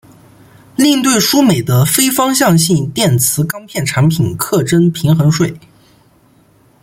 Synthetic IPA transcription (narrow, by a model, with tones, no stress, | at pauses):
li˥˧ŋt̪̬we˥˩ɪʂu˥me˨˩ɪd̪ə˦fe˥ɪfɑ˥ŋɕ̬jɑ˥˧ŋɕi˥˧nt̪jɛ˥˩nt͡sʰɹ̩˧˥kɑ˥ŋpʰjɛ˥˩nʈ͡ʂʰa˧˥npʰi˨˩nkʰɤ˥˩ʈ͡ʂə˥npʰi˧˥ŋxɤ˧˥nʂwe˥˩ɪ